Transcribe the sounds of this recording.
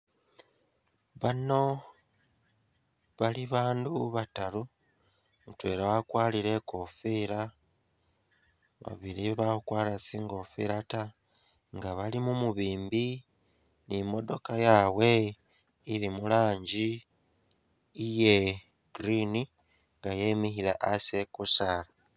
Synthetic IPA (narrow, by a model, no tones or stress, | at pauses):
βano̞ | βaliβaːnduβatalu | mutwe̞ːɾawakwaːliɾe̞ko̞fiɾa | βa̰βiɾiβaukwaːlasiːŋɡo̞fḭɾata | ŋɡaβalimumuβiːmbi | nimo̞do̞kajawe̞ | ilimulaːɲɟi | je̞ | ɡ̥ɾini | ŋɡajemixilaʔasekusala